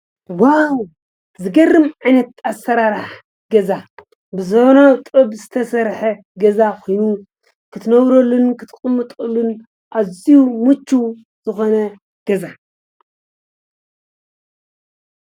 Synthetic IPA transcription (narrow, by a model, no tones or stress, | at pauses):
waw | zɨɡɐrːɨmʕajnɐt̪̚asɐɾaɾaħ | ɡɐza | bɨzɐβnawt̪ʼɨbzɨt̪ʰɐsɐɾħɐ | ɡɐzakʰo̞jnu | kʰɨt̪ʰnɐβɾolːunkʰɨt̪ʰʼkʼɨmːɨt̪ʼɨlːun | ʔazijumut͡ʃːu | z̥ɨxo̞nɐ | ɡ̥ɐza